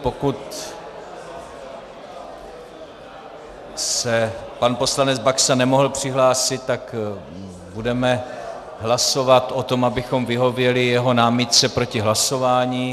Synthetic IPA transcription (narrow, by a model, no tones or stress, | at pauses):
po̞kut̪ | sɛpanpo̞slanɛd͡zbaksanɛmo̞ɦl̩pr̝̥ɪɦlaːsɪt̪̚ːak | budɛmɛ | ɦlaso̞vat̪ʔo̞t̪o̞mabɪxo̞mvɪɦo̞vjɛlɪjɛɦo̞naːmɪt̪̚t͡sɛpɾo̞cɪɦlaso̞vaːɲiː